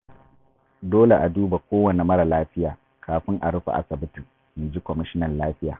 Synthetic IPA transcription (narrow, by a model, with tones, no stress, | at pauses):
doː˦le˨ʔa˨duː˦ba˨kʷoː˦wɐ˨ne˨mɐ˦ɽa˨laː˦ɸɪ˦jaː˨ | kʰaː˨ɸɪ˦ŋʔa̰˨ɽʊ˦ɸa̰˨ʔa̰˨sɐ˨bʊ˦tu˨ | mi˨d͡ʒi˦kʷɔ˨mɪ˦ʃɪ˦nɐ˨nlaː˦ɸɪ˦ja̰ː˨